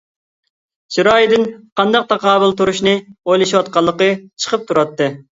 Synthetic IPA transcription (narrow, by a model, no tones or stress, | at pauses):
suɾɑːjid̪ɪnqʰɑnd̪ɑq̚t̪ʰɑqɑːbɨlˠt̪uɾuʃnɨojlˠɨʃiwɑt̪̚qɑlˠːəqət͡ʃʰə̥qʰəp̚t̪ʰuɾɑt̪ːɨ